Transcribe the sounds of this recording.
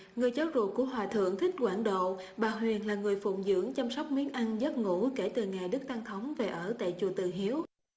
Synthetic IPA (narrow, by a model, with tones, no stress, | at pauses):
ŋɨ˨˩əjzaː˨˦wzṵ˧˨˩kːu˧˩əɦwaː˨˩t̪ʰɨ̰˧˨əŋt̪ʰï˦˥k̟̚kwaː˧˩nɗo̰˧˨ | ɓaː˨˩ɦwi˨˩ənlaː˨˩ŋɨ˨˩əjfṵ˧˨ŋ͡mzɨ̰˧˥əŋt͡ɕa˧msa˦˥wk͡p̚mi˨˦ənʔa˧nzə˦˥t̚ŋu˧˥ke˧˩t̪ɨ˨˩ŋaː˨˩jɗɨ˦˥k̚t̪a˧ŋt̪ʰə˨˦wŋ͡mve˨˩ʔəː˧˩t̪a̰ː˧˨jt͡ɕu˨˩t̪ɨ˨˩ɦi˨˦əw